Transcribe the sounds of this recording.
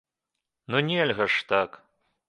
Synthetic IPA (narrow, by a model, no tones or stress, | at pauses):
nunʲelʲɣɐʂt̪ak